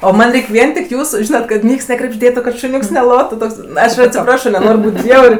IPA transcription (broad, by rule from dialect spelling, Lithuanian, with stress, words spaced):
oː ˈmɐnʲ ˈrʲɛɪkʲ ˈʋʲiɛn tʲɪk ˈjuːsʊ ˈʒʲiːnɐt kɐt ˈnʲiɛks nʲɛkrʲɛbʲʒʲˈdʲeːtʊ kɐt ʃʊˈnʲuːks nʲɛˈlˠoːtʊ ˈtoːks ˈɐʃ ɐtʲsʲɪˈprɑːʃoː nʲɛˈnoːrʲ ˈbuːtʲ ˈbʲjɛʊrʲ